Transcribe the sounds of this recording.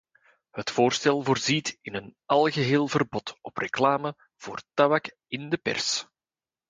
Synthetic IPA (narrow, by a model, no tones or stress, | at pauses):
hətfoːrstɛlˠvoːrzitɪnənɑlˠɣəɦeːlˠvərbɔtɔprəklaːmə | v̥oːrtabak | ɪndəpɛ̰rs